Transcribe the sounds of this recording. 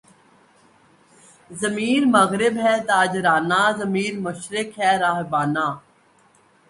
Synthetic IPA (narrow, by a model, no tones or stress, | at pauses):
zəmiːɾmɐɣɾɪbɦɛːt̪aːd͡ʒɾaːnaːzəmiːɾmʊʃɾɪkɦɛːɾaːɦbaːnaː